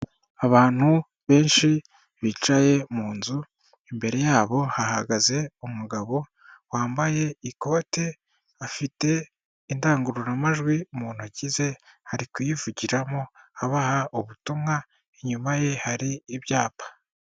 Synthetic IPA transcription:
aβaːn̥hu | βe̞ːnʃi | βit͡ʃaje̞muːnzu | imbe̞ɾe̞jaːβo̞haɦaɡaze̞umuɡaβo̞ | waːmbaje̞iko̞ːte̞ | afite̞ | indaːŋɡuɾuɾamaʒɡwiumuːn̥huɟize̞haɾikujivuɟiɾamo̞aβahaʔuβutumŋa | eɲumaje̞haɾiːβjaːpḁ

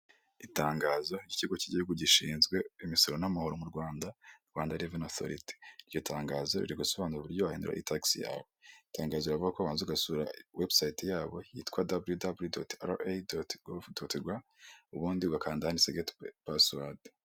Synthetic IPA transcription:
itaːŋɡaːzo̞iɟiciɡo̞ciɟihuɡuɟiʃiːnzɡwe̞imiso̞ɾonamahuɾomuɾɡwaːndaɾɡwaːndaɾivenaθo̰ɾḭti̥ɾjo̞tʰaːŋɡaːzo̞ɾḭɾiɡuso̞βaːnuɾaβuɾɟoβaheːndṵɾa̰itʰaksija̰ːβoitaːŋɡaːzoiɾavuɡakoβaːnzuɡasuɾa̰websajitejaːβo̞jḭtkwadabljudabljudotaɾoʔedotɡofdotiɡwauβuːndiβɡakaːndahaniseɡetpaswad

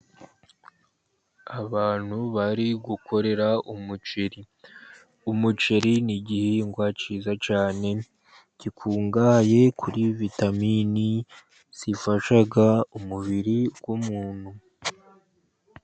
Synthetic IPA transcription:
aβaːn̥huβaɾiɡuko̞ɾe̞ɾaumut͡ʃeɾi | umut͡ʃeɾiniɟiheŋɡwat͡ʃizat͡ʃaːne̞ | ɟ̥ikʰuːŋɡaje̞kʰuɾivitamiːni | z̥ifaʃaɡaumuβiɾiɡwumuːn̥hu

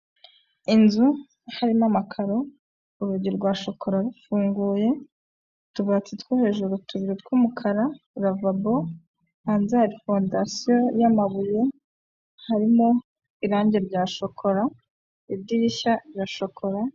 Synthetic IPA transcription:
inzu | haɾimamakʰaɾo̞ | uɾuɟiɾɡwaːʃo̞kʰo̞ɾaɾufuːŋɡuːje̞ | tuβat͡sitwohe̞ʒuɾutuβiɾitwumukʰaɾa | uɾavabo | haːnzaaɾifo̞ndasijo̞jamaβuje̞ | haɾimo̞ | iɾaːɲɟe̞ɾɟaːʃo̞kʰo̞ɾa | ibdiiçaiɾaʃo̞kʰo̞ɾa

